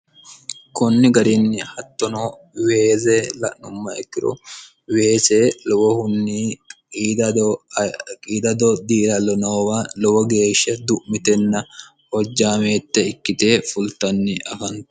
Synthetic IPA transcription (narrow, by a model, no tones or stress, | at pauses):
kɔnːɪɡɐɾinːɪhɐt̪ːɔnoː | weːzeːlɐ̰ʔnʊmːɐɛkːɪɾɔ̰ | weːseːlɔwɔhʊnːiːkʼiːd̪ɐd̪ | kʼiːd̪ɐd̪ɔd̪iːlɐlɔnoːwaːlɔwɔɡeːʃːɐd̪ʊʔmɪt̪ɛnːɐ | hɔd͡ʒːaːmeːt̪ːɛɪkːɪt̪eːfʊlt̪ɐnːɪɐfɐnt